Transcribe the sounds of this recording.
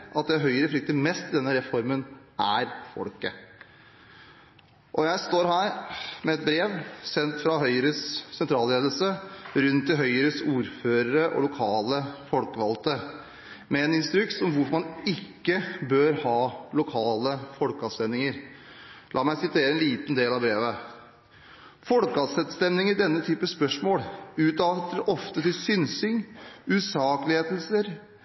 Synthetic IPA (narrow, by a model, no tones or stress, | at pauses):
ʔɑt̪̚d̪ɛɦœʏəɾəflɪk̚t̪əɾmɛst̪ɪd̪ɛnːəɾɛfɔɾmənʔæɾfɔ̰lkə̰ | ʔɔjæɪst̪oːɾɦæːɾmɛɛt̪̚bɾeːʋsɛnt̪fɾɑɦœʏəɾəsːɛnt̪ʰɾɑːlɾeːd̪əlsəɾʉnt̪ʰːɪlɦœʏəɾəsuːɾføːɾəɾəʔɔ̰lʊkʰɑːləfɔlkəʋɑlt̪ə | mɛɛːnɪnst̪ɾʉkt̪sɔmʋʊɾmɑnɪkːəbøːɾhɑːlʊkʰɑːləfɔlkɑst̪ɛnɪŋəɾ | lʔɑ̰ːmæɪsɪt̪ʰeːɾəɛnliːt̪nd̪eːlɑʋbɾeːʋə | fɔlkɑsɛt̪st̪ɛnnɪŋəɖɛnːət̪ʰyːpəspœʂmoːlʉːt̪ɑt̪əɾʔɔft̪ət̪ɪlsʏnsɪŋʉːsɑːkəlɪheːd̪l̩səɾ